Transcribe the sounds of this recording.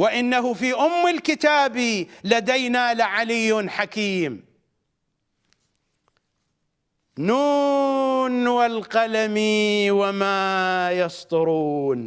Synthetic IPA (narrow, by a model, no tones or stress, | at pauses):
wɪʔɪnːaɦʊfiːʔʊmːɪlkɪt̪aːbilad̪ajnaːlɪʕalɪjːnħakiːm | nuː | nwalqalamiwamaːjɑsˤt̪ˤʊɾuːn